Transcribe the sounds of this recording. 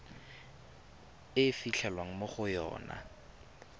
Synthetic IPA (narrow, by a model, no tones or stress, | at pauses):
ɪfiɬʰɛlwaŋ̩moχʊjɔ̰ːna̰